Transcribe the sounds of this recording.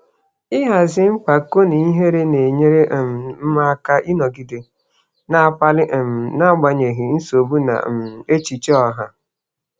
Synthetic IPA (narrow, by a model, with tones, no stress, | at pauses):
ɪ˦ɦa˨zɪ˦ŋ͡m̩˦k͡pa˨ko˦ni˨i˦ɦe˦ɾe˦ne˨ɲe˦ɾe˦ʔm̩˨m̩˦ma˦ka˦ʔi˦nɔ˨ɡi˨de˨ | na˦˨pa˦lɪ˦ʔm˨na˦ɡ͡ba˨ɲe˨ɦi˨n̩˦so˨bu˦na̰˨e˦t͡ʃi˨t͡ʃe˦ɔ˨ɦa˦